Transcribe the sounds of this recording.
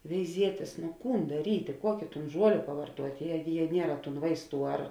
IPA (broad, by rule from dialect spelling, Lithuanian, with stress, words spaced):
ʋʲɛɪˈzʲiɛtʲeːs noː ˈkuːn dɐˈrʲiːtʲeː ˈkuɔkʲeː ˈtuːn ˈʒuɔlʲeː pɐʋɐrˈtuɔtʲ ˈjiɛ jiɛ ˈnʲiɛrɐ tuːn ˈʋɐɪsˌtuː ɐr